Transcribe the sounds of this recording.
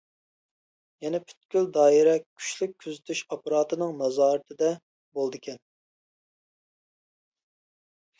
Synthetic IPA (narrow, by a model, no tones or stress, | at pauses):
jɛnɛpʰy̥t̪̚kʲyld̪ɑːiɾɛkʲʰy̥ʃlyk̚ʲʰːøzyt̪ʰyʃɑpɑɾɑːt̪ɨnɨŋnɑzɑːɾɨt̪ʰɨd̪ɛ | bolˠd̪ɨkʲɛn